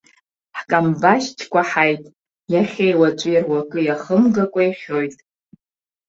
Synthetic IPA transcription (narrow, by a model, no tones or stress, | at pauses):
ħkʼambaʃt͡ʃʲʰkʷʰʼaħajtʼ | jaχʲejwat͡ʃʷʼɨjirwakʼɨjaχəmɡakʷʼajχʲojtʼ